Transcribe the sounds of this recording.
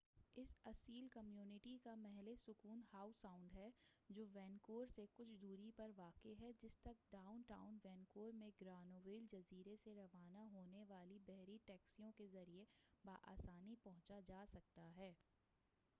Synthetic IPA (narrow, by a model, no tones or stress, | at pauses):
ɪsɐsiːlkɐmjuːnɪʈikamɛɦlesʊkuːnhaːʊsaːʊ̃ɳɖɦɛd͡ʒoːʋɛ̃ːnkoːɾsekʊt͡ʃʰd̪uːɾipɐɾʋaːkeɦɛd͡ʒɪst̪ɐk̚ɖaːʊnʈa̰ːʊ̃nʋɛ̃ːnkoːɾmẽɡɾaːnoːʋeːld͡ʒɐziːɾeseɾɐʋaːnaɦoːneʋaːlibɛɦɾiʈɛːksijõkezɐɾiebaːʔa̰ːsaːnipɐɦʊ̃t͡ʃad͡ʒaːsɐk̚t̪aɦɛː